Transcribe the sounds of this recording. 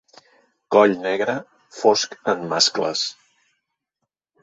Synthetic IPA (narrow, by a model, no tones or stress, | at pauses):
kɔʎnɛɣɾə | foskəmmːasklə̰s